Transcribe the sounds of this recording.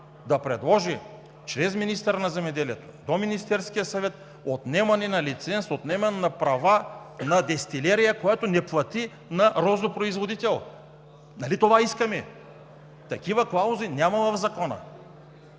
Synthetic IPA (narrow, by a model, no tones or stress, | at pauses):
d̪ɐpɾɛd̪lˠɔʒi | t͡ʃɾɛzminist̪ɛɾnɐzɛmɛd̪ɛliɛt̪o̥d̪ominist̪ɛɾskijəsɐvɛt̪̚ | ot̪nɛmɐnɛnɐlit̪sɛnsot̪nɛmɐnnɐpɾɐvanɐd̪ɛst̪ilɛɾijakojat̪onɛplˠɐt̪i | nɐɾɔzopɾoizvod̪it̪ɛlˠ | nalit̪ovaiskɐmɛ | t̪ɐkivɐklˠauzinʲjamɐvɐvzakɔnɐ̰